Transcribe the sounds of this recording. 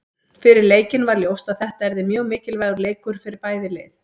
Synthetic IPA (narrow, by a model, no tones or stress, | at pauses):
fɪɾɪɾleːjcɪnvaɾljowst̪aðθɛht̪aɛɾðɪmjœːɣmɪːcɪlvaɣʏɾleːjkʏɾ̥fɪɾɪɾpaːjðɪleːjð